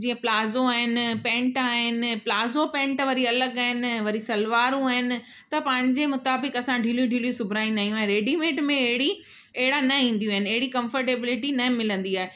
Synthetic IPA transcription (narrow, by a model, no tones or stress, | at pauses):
d͡ʑiːə̃plaːzoaːɦɪnɪ̆pɛ̃ːɳʈaːɦɪnɪ̆plaːzopɛ̃ːɳʈʋɐɾiɐləɡaːɦɪnɪ̆ʋɐɾisɐlʋaːɾũaːɦɪnɪ̆ | t̪ɐpɐ̃ɦɪ̃ɲd͡ʑemʊt̪aːbɪkɐsãɖʱiːljũɖʱiːljũsʊbʱɾaːĩːnd̪aːɦijũaɦeɾeːɖimẽːʈmẽɐɦɪɽi | ɐɦɪɽanɐĩːn̆d̪ijũaːɦɪnɪɐɦɪɽikɐ̃mfəɾʈeːbɪlɪʈinɐɦɪ̃mɪlə̃nd̪iaːɦe